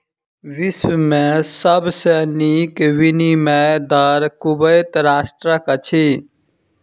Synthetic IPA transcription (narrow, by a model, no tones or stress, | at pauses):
ʋismẽsəbsenikʋinimɛjd̪əɾkubəjt̪ɾasʈɾəkət͡ʃʰi